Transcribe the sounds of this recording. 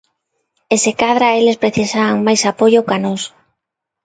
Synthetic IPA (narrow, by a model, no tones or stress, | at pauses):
esekaðɾaelespɾeθisaŋmajsapoʎokanos